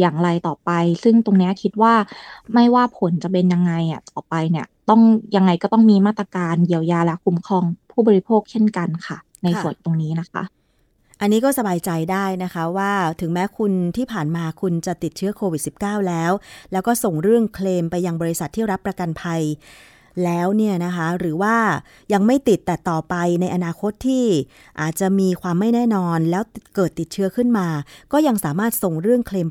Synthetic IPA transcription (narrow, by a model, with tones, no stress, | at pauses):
jaː˨˩ŋɾa˧jt̪ɔː˨˩pa˧jsɯ˥˩ŋt̪o˧ŋni˦˥ɐ˩kʰi˦˥t̪̚waː˥˩ma˥˩jwaː˥˩pʰo˨˩˦nt͡ɕa˨˩pe˧nja˧ŋːa˧jni˧˥˩t̪ɔː˨˩pa˧jni˥˩ɐt̪ɔ˥˩ŋja˧ŋːa˧jkɔː˥˩t̪ɔ˥˩ŋmiː˧maː˥˩t̪̚ːɾa˧kaː˧nji˧˩əwjaː˧lɛ˦˥wkʰu˧˥mkʰɔː˧ŋpʰuː˥˩bɔː˧ɾi˧˥pʰoː˥˩k̚t͡ɕʰe˥˩nka˧nkʰa˥˩ | na˧jsənt̪o˧ŋniː˦˥na˦˥kʰa̰˦˥ʔ | ʔa˧nːiː˦˥kɔː˥˩sa˧baː˧jt͡ɕa˧jdaː˥˩jna˦˥kʰa˦˥waː˥˩t̪ʰɯ˨˩˦ŋmɛː˦˥kʰu˧nt̪ʰiː˥˩pʰaː˨˩nmaː˧kʰu˧nt͡ɕa˨˩t̪i˨˩t̪̚t͡ɕʰɯ˦˥ɐkʰoː˧wi˨˩t̪̚si˨˩p̚kaː˥˩wlɛː˦˥wlɛː˦˥wkɔː˥˩so˨˩ŋɾɯ˥˩əŋkʰleː˧mpa˧jːa˧ŋbɔː˧ɾi˧˥sa˨˩t̪ʰːiː˥˩ɾa˦˥pːɾa˧ka˧npʰa˧j | lɛː˦˥wni˥˩ɐna˦˥kʰa˦˥ɾɯː˩˦waː˥˩ | ja˧ŋma˥˩jt̪i˨˩t̪ːɛː˨˩t̪ɔː˨˩pa˧jna˧jʔa˧naː˧kʰo˦˥t̪ʰːiː˥˩ | ʔa̰ː˨˩t̪̚t͡ɕa˨˩ʔmiː˧kʰwaː˧mːa˥˩jnɛː˥˩nɔː˧nlɛː˦˥wkɤː˨˩t̪ːi˨˩t̪̚t͡ɕʰɯ˦˥ɐkʰɯ˥˩nmaː˧kɔː˥˩ja˧ŋsaː˩˦maː˥˩t̪̚so˨˩ŋɾɯ˥˩əŋkʰleː˧m